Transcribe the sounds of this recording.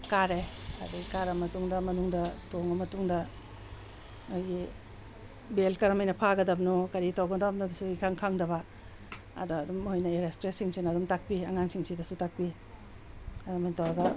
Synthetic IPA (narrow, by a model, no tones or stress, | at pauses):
kaɾeɐ̰duɡikaɾɐmɐtuŋdɐmɐnuŋdɐtoŋɐmɐtuŋdɐ | ojɡi | belkɐɾɐmɐjnɐpʰaɡɐdɐbnokɐɾitawɡɐdɐbnudɐsuikʰaŋkʰaŋdɐβɐ | ɐ̰duɐdumhojnɐeɾestɾesiŋsinɐdumtak̚piɐŋaŋsiŋsidɐsutak̚pi | ɐdumajntawɾɐɡɐ